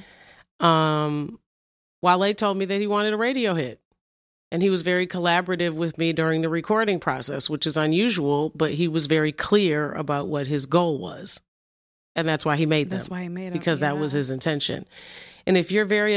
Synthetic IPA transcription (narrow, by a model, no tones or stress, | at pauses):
ʌ̃m | waɪlˠeɪtʰoʊlˠd̚miðɨt̚hiwɑ̃ɾ̃ɨɾəɹeɪɾioʊhɪt̚ | ʔɨ̃niwʌzvɛɹikʰəlæbə˞ɨɾɪvwɪðmidʊɹɪ̃ŋðɨɹɨkʰɔɹɾɪ̃ŋpʰɹ̥ɑ̰sɛswət͡ʃɨzə̃njʉʒəwl̩ˠbʌt̚ɦiwʌzvɛɹikʰl̥ɪɹə̰baʊʔ̚wʌt̚ɦɨzɡoʊlˠwʌ̰z̥ | ɨ̃nðætswaɪimeɪd̪̚ð̃mwaɪbɨkʰʌzðɨt̚wʌz̥ɨzɨ̃ntʰɛ̃nʃɨ̰̃nɨ̃nɨfjə˞vɛɹi